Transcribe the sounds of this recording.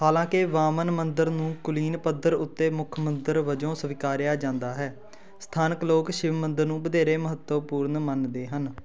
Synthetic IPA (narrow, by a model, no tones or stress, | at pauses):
haːlãːkɪʋaːmənmənd̪əɾnũːkʊliːnpəd̪əɾʊt̪ːeːmʊkʰmənd̪əɾʋəd͡ʒõːsəʋɪkaːɾɪjaːd͡ʒãːnd̪aːɦɛː | st̪ʰaːnəkloːkʃɪʋmənd̪əɾnũːbəd̪eːɾeːməɦət̪əpuːɾnmənd̪eːɦən